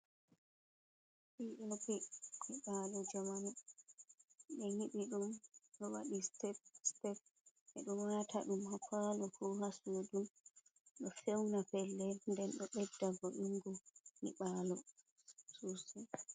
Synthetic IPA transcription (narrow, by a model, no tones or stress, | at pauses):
ɓiɗɔɡimiɓaːlɔd͡ʒamana | ɓɛhiɓiɗumɗɔwaɗistɛstɛp̚ | ʔɛɗumwatʰaɗumhapalɔkʰɔhasudumɗɔfɛwnapɛlːɛndɛnɗɔɓɛdːaɡɔʔiŋɡɔmḭɓalɔ | susɛ